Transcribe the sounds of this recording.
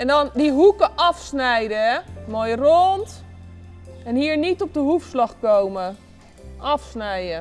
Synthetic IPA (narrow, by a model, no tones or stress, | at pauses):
ɛndɑndiɦukəʔɑfsnɛjdəɛmoːjrɔnt | ɛnɦiːɹnitɔb̚dəɦufslɑχkowmə | ʔɑfsnɛjə